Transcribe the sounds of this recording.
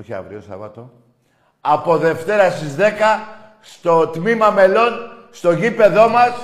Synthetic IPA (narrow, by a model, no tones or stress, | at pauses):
oçiɐ̰vɾiosɐ̰vɐ̰t̪o̞ | ɐpo̞ðe̞ft̪e̞ɾɐsizðe̞kɐ | st̪o̞t̪mimɐme̞lo̞nst̪o̞ʝipe̞ðo̞mɐs